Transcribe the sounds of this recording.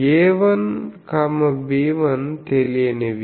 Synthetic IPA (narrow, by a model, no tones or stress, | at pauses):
eːʋɐnkɐmɐbiːʋɐnt̪elieneʋ